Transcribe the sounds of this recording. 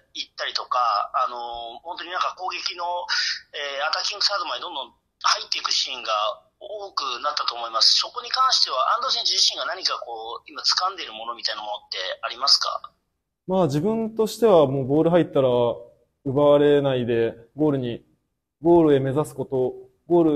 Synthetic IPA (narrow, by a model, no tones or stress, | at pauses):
it̪ːaɾʲit̪okaːno̞hont̪̬oɲ̟inãŋkako̞ːɡe̞kʲino̞eːat̪akʲĩŋɡɯ̟sad̪omaɲed̪o̞nd̪õ̞n | hait̪ːeikɯ̟ɕĩŋɡa | oːkɯ̟nat̪ːat̪oːmo̞imasɨ̥so̞ko̞ɲ̟ikãɰ̃ɕi̥t̪e̞β̞aʔã̰nd̪os̬ẽɲd͡ʑid͡ʑiɕĩŋɡanaɲ̟ikako̞ːimat͡sɨ̥kãnd̪e̞ɾɯ̟mo̞no̞mʲit̪ainamo̞not̪ːe̞aɾʲimasɨ̥ka̰ | maːd͡ʑibɯ̟̃nt̪o̞ɕi̥t̪e̞β̞amo̞ːbo̞ːɾɯ̟ɦait̪ːaɾa | ɯ̟baβaɾe̞naid̪e̞ | ɡo̞ːɾɯ̟ɲ̟i | ɡo̞ːɾɯ̟e̞me̞zasɨ̥ko̞t̪o̞ | ɡo̞ːɾɯ̟